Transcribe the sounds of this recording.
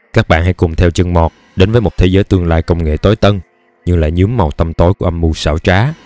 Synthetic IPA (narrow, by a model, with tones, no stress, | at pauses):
kaː˦˥k̚ɓa̰ː˧˨nha˧˥jkʊ˨˩ŋ͡mt̪ʰɛ˧wt͡ɕə˧ŋmɔ˨˩t̚ | ɗe˨˦nvəː˨˦jmo˨˩t̪ʰe˨˦zəː˨˦jt̪ɨ˧əŋlaː˧jkə˧wŋ͡mŋḛ˧˨t̪o˨˦jt̪ə˧n | ɲɨ˧ŋla̰ː˧˨jɲɨ˨˦əmːa˨˩wt̪ə˧mt̪o˨˦jku˧˩əʔa˧mmu˧sa̰ː˧˩wt͡ɕaː˨˦